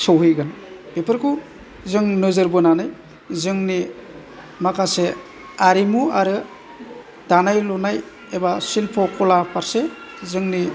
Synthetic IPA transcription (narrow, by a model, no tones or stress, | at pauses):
sɔwɦɯjɡan | bepʰɯɾkʰu | zɯŋnɯzɯɾbɯnanaj | zɯŋni | makʰase | aɾimuaɾɯ | d̥anajlɔnaj | ebasilpʰɔkʰɔlapʰaɾsezɯŋni